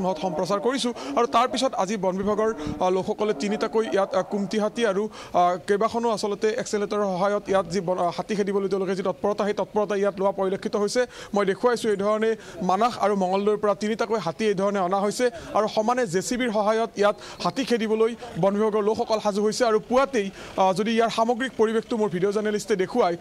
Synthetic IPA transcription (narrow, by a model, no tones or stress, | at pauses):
mɦɔtxɔmpɹɔsaɹkoɹisʊ̃aɹutaɹpisɔtazibɔnbʱibʱaɡɔɹlokʰxɔkɔlɛtinitakojijatkumtiɦatiaɹu | kejbakʰɔnʊasɔlɔtɛʔɛkseletɔɹxɔɦajɔtijatzibhatikʰedibɔlojteʊ̃lʊk̬ɛzitɔt̚pɔɹɔtaɦejtɔt̚pɔɹɔtaijatlowapɔɹilokʰːitɔɦojsɛmojdekʰuwajsʊ̃ejdʱɔɹɔnɛ | manaxaɹumɔŋɔlːojɹpɔɹatinitakojɦatiejdʱɔɹɔnɛɔnaɦojsɛaɹuxɔmanɛzesibiɹxɔɦajɔtijat | hatikʰedibɔlojbɔnbʱibɔɡɔɹlokxʰɔkɔlxazuɦojsɛaɹupuwatejzodiːjaɹxamɔɡɹik̚poɹibextʊmoɹbʱidijɔzanelistɛdekʰuwaj